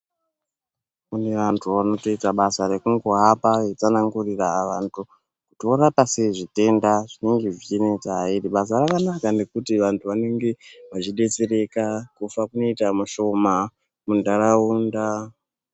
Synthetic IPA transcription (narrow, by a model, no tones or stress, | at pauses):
une̞ʋantʰuʋano̞to̞itaɓasare̞kuŋɡoɦapajet͡sanaŋɡuriraːʋantʰu | kutioɾapaseʐite̞ndaʐine̞ŋɡe̞ʐiinet͡saɦairiɓas̬arakanakane̞kutiʋantʰuʋane̞ŋɡe̞ʋat͡ʃiɗe̞t͡sere̞kakufakuno̞itamuʃo̞ma | mundaɾauːnda